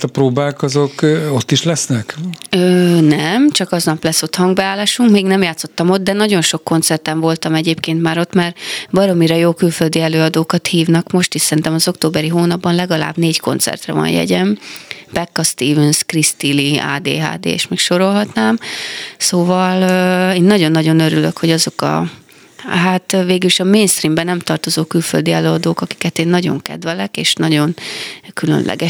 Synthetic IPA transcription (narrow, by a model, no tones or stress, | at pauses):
t̪ɒpɾoːbaːkɒzokot̪ːiʃlɛsnɛkøːnɛmt͡ʃɒkɒznɒplɛso̞t̪hɒŋɡbɛaːlːaːʃuŋkmeːɡnɛmjaːt̪so̞t̪ːɒmo̞d̪̚d̪ɛnɒɟo̞nʃo̞kːo̞nt̪sɛrt̪ɛɱvo̞lt̪ɒmɛɟeːpkeːnt̪maːɾo̞t̪maːrbɒɾo̞miɾɛjoːkylføld̪iɛløːɒd̪oːkɒt̪hiːvnɒkmo̞ʃt̪iʃsɛɾint̪ɛmɒzo̞kt̪oːbɛɾiɦoːnɒbːɒnlɛɡɒla̰ːbneːcko̞̰nt̪sɛ̰rt̪rɛ̰vɒ̰njɛ̰ɟɛmbɛkːɒst̪iːvɛnskrist̪ilia̰ːd̪ḛːɦa̰ːd̪ḛːɛ̰ʃmɛkʃo̞ɾo̞lɦɒt̪naːmsoːvɒleːnːɒɟo̞nːɒɟo̞nøɾyløkhoɟɒzokɒ̰ | ɦat̪veːɡyliʃɒmeːnst̪rimbɛnɛmt̪ɒrt̪o̞zoːkylføld̪iɛløːɒd̪oːkɒki̥kɛt̪eːnːɒɟo̞̰ŋkɛ̰d̪vɛlɛkeːʃnɒɟo̞nkylø̰nlʔɛ̰ɡɛ